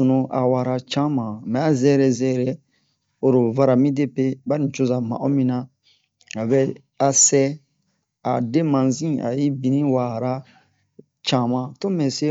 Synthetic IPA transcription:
o˨nõ˨ʔa˨wa˨ɾa˨t͡ʃã˦mã˨mɛ˨a˦zɛ˦ɾɛ˨zɛ˦ɾɛ˨ | o˨ɾo˨va˦ɾa˨mĩ˦de˦pe˦ba˦nĩ˨t͡ʃo˦za˨mã̰˨o˦mĩ˦nã˦ | a˨bɛ˦ | a˦sɛ˦ | a̰˨de˦mã˨zĩ˦a̰˨ji˦bi˨nĩ˦wa˨ɾa˦ | t͡ʃã˦mã˨to˦mɛ̃˨se˦

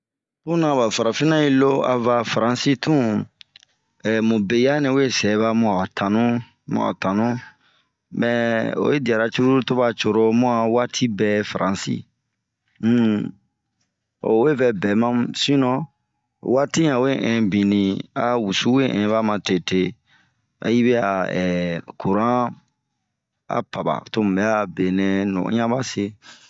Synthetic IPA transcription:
u˦nã˨ba˨fa˨ɾa˨fi˦nã˦i˦lo˦a̰˨va˨fa˨ɾã˨si˦tũ˦ | ɛ˨mũ˨be˨ja˦nĩ˨u˦je˦sɛ˨˦βa˦mɔ˨˦a˨tã˨nũ˦ | mɔ̰˦a̰˨tã˨nũ˦ | mɛ˨o̰˨je˦di˨a˨ɾa˨t͡ʃu˦ɾu˦to˦ba˦t͡ʃo˨ɾo˦mo˦a˨wa˦tʰi˦bɛ˦fa˨ɾʔã˨sḭ˦ | m̩˦ | o̰˨we˦fɛ˦bɛ˨mã˦msĩ˦nɔ̃˨ | wa˦tĩ˦ã˨we˦ʔɛ̃˨bĩ˨nĩ˨a˨wu˨su˦we˦ʔɛ̰̃˨˦ba˦mã˨te˨te˦ | a̰˨ji˦bɛ˦a˨ɛ˨ku˨ɾã˦ | a̰˨pa˨ba̰˨to˦mũ˨bɛ˦a˦˨be˨nɛ̃˨nɔ̰̃˨˦ɲã˦ba˦se˦

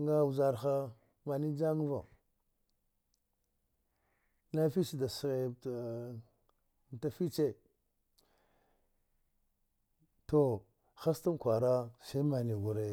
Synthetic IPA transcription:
ŋɡa˦wu˨za˨ɾxa˦ | ma˨ni˦d͡ʒa˦ŋ˦va̰˨ | na˦fi˦t͡ʃi˦da˨sɣe˨ | m˨ta˦fi˦t͡ʃe˦ | to˨ | xa˦stu˦mkʷa˨ɾa˦se˦ma˨ni˨ɡu˨ɾe˨

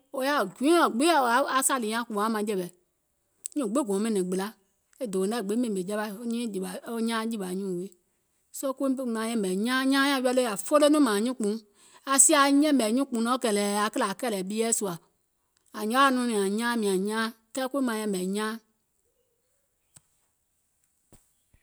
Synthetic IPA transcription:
o˧ja˧˨ɡʷĩ˨˦ɔ̃˨ɡ͡be˦˨a˨˦a˨˦sa˦˨li˨ɲã˦ku˨ã˨˦mã˧˨d͡ʒɛ˧˨ɓɛ˨ | ɲũ˦˨ɡ͡be˦˨ɡɔ̃˨˦mɛ̃˨nĩ˨ɡ͡bɨ˨la˨˦ | e˦do˨˦ɛ˦˨ɡ͡be˨˦mɛ̃˧nĩ˨be˨d͡ʒɛ˦ɓa˧˨o˧˦ɲĩ˦d͡ʒi˨ɓa˨o˧˦ɲãː˦d͡ʒi˦ɓa˨ɲũ˦˨we˨˦ | so˦ku˦mã˨˦ɲɛ̃˧˨bɛ˨ɲãː˦ɲãː˦ɲã˧˦jɛ˧˦lo˦a˨fo˦lo˦nũ˦mãː˨ɲũ˦k͡pũ˨˦ | a˨si˦a˧ɲɛ̃˦˨bɛ˨ɲũ˦k͡pũ˨˦nɔ̃˨˦kɛ˨lɛː˨a˨kə˦la˨kɛ˦lɛ˨ɓi˦ɛː˦su˧a˨ | a˨ɲã˦a˦˧˨nũ˧˦nĩ˨ã˨ɲãː˦mĩ˨ã˨ɲãː˦kɛː˦kʷu˦i˦mã˧˨ɲɛ̃˧˨bɛ˨ɲãː˦

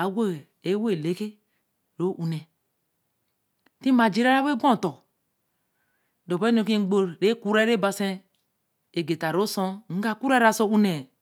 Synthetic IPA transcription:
a˨ɡʷo˦˨ | e˦we˦˨le˦ke˦ | ɾo˦ʔu˨ne˨ | ti˦ma˨d͡ʒi˦ɾa˦ɾa˦be˦ɡõ˦˨to˨ | do˨pe˦no˨ki˦ɡ͡bo˦ɾɾe˦ku˦ɾe˦ɾe˦ba˨se˦ | e˨ɡe˨ta˨ɾo˦so˦ŋ̩˦ɡa˦˨ku˦ɾe˦ɾa˨so˦u˦ne˨

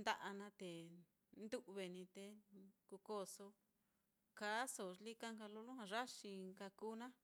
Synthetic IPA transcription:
nd̪a˧ʔa˧nã˧t̪e˨ | nd̪u˦ʔβe˨nĩ˧t̪e˧ku˧ko˧˨so˧ | ka˨˦so˨li˦ka˦ŋka˧lo˧lu˦hã˧ʐa˦ʃi˧ŋka˧kuː˦nã˦

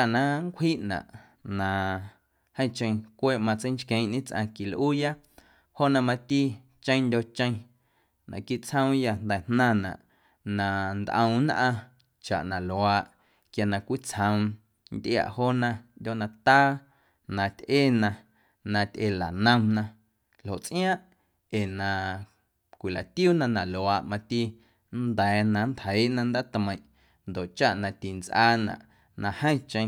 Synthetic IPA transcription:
a˨nã˦ŋkʷhiː˦ʔnã̰˨ʔ | nã˨ | hə̃˦j̃t͡ʃə̃˧j̃kʷeː˦˨ʔmã˧t͡sə˦jnt͡ʃkẽ˧j̃ʔnĩ˦t͡sʔã̰˧ki˨lʔuː˦ja˦ | ho˦ʔnã˧mã˧t̪i˦ | t͡ʃə̃˦j̃ndʲo˧t͡ʃə̃˧j̃ | nã̰˨ki˦˨t͡shə̃˦w̃ja˧nd̪ɛ˨nnã˧˨nã̰˨ʔ | nã˨nd̪ʔə̃˧w̃nʔã˧ | t͡ʃa̰˨ʔnã˨lwaː˧ʔ | kja˧nã˧˨kʷi˦t͡shə̃˧w̃ | nd̪ja̰˧ʔhoː˦nã˧ndʲo˦ʔnã˧t̪aː˦ | nã˧t̪ʲʔe˦nã˧ | nã˧t̪ʲʔe˧la˨nə̃˧mnã˧ | lho˨ʔt͡sʔj̃ãː˦ʔ | eː˨nã˧ | kʷi˨la˨t̪i˦uː˦nã˧nã˨lo˨aː˨ʔmã˧t̪i˦ | nd̪ɛː˨˦nã˧nt̪hə˨˦ji˦ʔnã˧nd̪aː˦t̪mə̃˧j̃ʔ | nd̪o˨ʔt͡ʃa˦ʔnã˧t̪i˨nt͡sʔaː˦nã̰˨ʔ | nã˧hə̃˦j̃t͡ʃə̃˧j̃

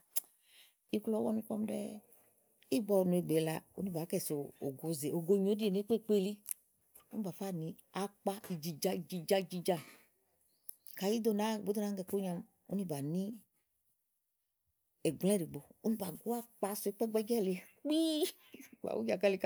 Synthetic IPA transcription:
i˦klɔ˦wɔ˦nũ˦kɔ̰˦m˦dɛ̰˦ | i˦ɡ͡bɔ˨˧˨nũ˨˧e˨ɡ͡be˨˦la̰˧o̰˦nĩ˦ba˨˦kɛ˦˨so˨o̰˨ɡo˨˦ze˨o˨ɡo˧˦ɲ˨o˨˦di˦e˨ne˨˦k͡pe˦˨k͡pe˦˨li˦ | u˦i˦ba˨fa˦˨nĩ˨˦ | a˨˦k͡pa˦i˨d͡ʒi˨d͡ʒa˧˨d͡ʒi˧d͡ʒa˧˦i˧˨d͡ʒi˧d͡ʒa˦˨ | ka˨ji˦d̪o˨˦˨na˨˦˨bo˦d̪o˦na˨˦ŋ˦ɡɛ˧˨ko˦ɲã˧m | o̰˦nĩ˦ba˨nĩ˦ | ɛ˨ɡ͡blɛ̃˦ɾi˨ɡ͡bo˨u˦nĩ˦ba˨ɡo˦a˦k͡pa˧su˨e˦k͡pɛ˦ɡ͡bɛ˦ɡɛ˦˨le˨˦ | k͡pi˦ | ba̰˨wṵ˦d͡ʒa˨ka˦li˨˧k

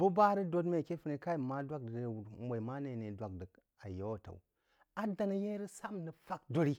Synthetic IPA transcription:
bu˦ba˦ɾi˦do˦dme˨ke˦fi˦ne˨ka˦i˦˨ma˦dʷa˦k̚dmo˨i˨ma˦ne˨ne˨dʷa˨k̚də˨k | a̰˨jo˦wta̰˨u˨ | a˨da˨ni˦je˦ɾi˦sa˦mnə˨fa˦kdo˦ɾi˦

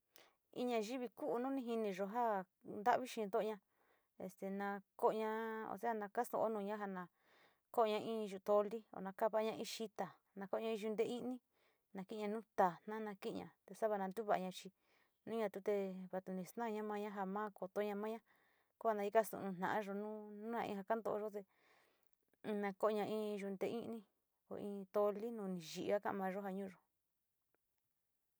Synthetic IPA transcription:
ḭ˧ɲã˧ʒi˦βi˧ku˦ʔnũ˦nĩ˧ɦi˧nĩ˧ʐo˧ɦa˦ | nd̪a˦ʔβi˦ʃĩ˧d̪o˦ʔɲã˧ | ḛ˧st̪e˨nã˧ko˦ʔɲã˧o̰˧˨se˦ha˧nã˧ka˦st̪õ̰˧˨ʔo˦nũː˧ɲã˦ɦa˧nã˧ | ko˦ʔɲã˧ʔĩ˦˧ʒu˧t̪o˧li˦o̰˧˨nã˧ka˦˧βa˧˦˧ɲã˧ʔĩ˧ʃi˧t̪a˨ | nã˧ko˦˧ɲã˧ĩ˧ʒu˧nd̪e˧i˦nĩ˦ | nã˧ki˦˧ɲã˧nũ˦t̪a˨n̥nã˦nã˧ki˦ʔɲã̰˧t̪e˧sa˦βa˧nã˧nd̪u˦βa˧˨˧ɲã˧t͡ʃi˧ | nũ˦ɲã˧t̪u˧t̪e˧βa˧t̪u˧nĩ˧st̪nã˦˧ɲã˦mã˧ɲã˦ɦa˧mãː˦ko˨t̪o˧˦ɲã˧mã˦ɲã˦ | ku˦βa˧nã˧i˧ka˦˧st̪ṵ̃˧˨nũ˧nã̰˨ʔã˦ʒo˧nũ˦nũ˦nã˧ḭ̃˧ha˧ka˦nd̪o˧ʔo˧ʒo˦t̪e˧ | nã˧ko˦˧ɲã˧ʔĩ˧ʒu˧nd̪e˧ʔĩ˦ʔnĩ˧ | o̰˧˨ʔĩ˧t̪o˧li˦nũ˧nĩ˧ʒi˧˨ʔa˦kã̰˦ʔa̰˧mã˧ʒo˦ɦa˧ɲũ˦˧ʒo˨

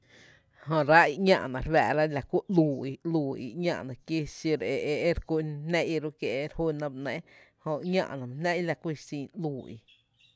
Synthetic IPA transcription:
ɦõ˧ɾa˦i˧ʔɲã̰˧˨ʔnã˨ɾwɛ̰˧˨ɾa˦la˨ku˦ʔluː˨i˧luː˨ḭ˧ʔɲã̰˧ʔnã˨ki˦si˧ɾe˧˨ʔe˧ʔe˦ɾku˦nẽ˦ʔi˧ɾu˦kje˧ʔɾhu˦nã˧bʔnɛ̃˦hõ˧ɲã̰˧ʔnã˨m̃˧˨nɛ̃˦ʔi˦la˧kʷi˦˧sĩː˧˨ʔluː˨ḭ˧

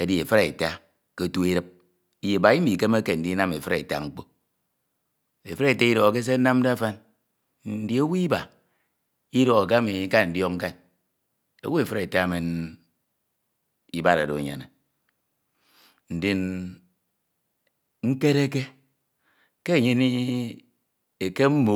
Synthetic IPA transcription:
e˨di˨e˨fe˦ɾe˨e˨ta˦ | ke˦tu˦e˦ɾɨ˦p̚ | i˦je˨ba˨i˦i˨ke˦m˦e˦ke˨n̩˨di˦na˦me˨fɨ˦ɾe˨e˨ta̰˨ŋ͡m̩˦k͡po˦ | e˨fe˦ɾe˦˨e˨ta˦i˦do˨ɣo˨k̬e˦s̬e˦na˦m˦da˦a˦fa˦n̩˨˦ | di˨e˦wu˦i˦ba˨ | i˦do˨ɣa˨k̬e˦mi˨˦ka˦n˨n̩˨djɔ˦kŋ̩˦ka˦n | ḛ˨wu˦e˨fɾe˨ta˦˨me˨n | i˦ba˦ɾa̰˨do̰˨ɲa̰˨ne˨ | n̩˨di˨n | ŋ̩˦ke˦ɾe˦ke˦ | ke˦˨ɲe˦ni˦ | e˨ke˦m̩˦mo˨

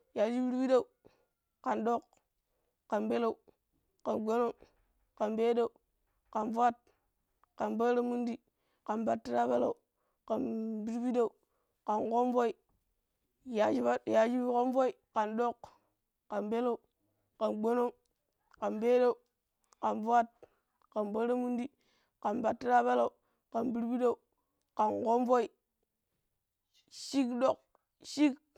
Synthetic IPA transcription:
ja˨d͡ʒi˦bi˦ɾbi˦da˦u˨ | ka˨ndo˦˨k | ka˨nbe˦la˦u˨ | ka˨nɡo˦no˦˨ | ka˨nbe˦da˦u˨ | ka˨nva˦t̚ | ka˨nba˦ɾa˦mu˦ndi˦ | ka˨nba˦tːi˦ɾa˦ba˦la˨u˨ | ka˨nbi˦ɾbi˦da˦˨u˨ | ka˨nko˦mvo˦i˨ | ja˨d͡ʒi˦ba˦˨ja˨d͡ʒi˦bi˦ko˦mvo˦i˨ka˨ndo˦k | ka˨nbe˦lo˦u˨ | ka˨nɡ͡bo˦no˦ | ka˨nbe˦do˦u˨ | ka˨nvu˦a˦t̚ | ka˨nba˦ɾa˦mu˦n˦di˦ | ka˨nba˨tːi˦ɾa˦ba˦la˦u˨ | ka˨nbi˦ɾbi˦da˦u˨ | ka˨nko˦mvo˦i˨ | ʃi˦kdo˦˨k̚ | ʃi˦k

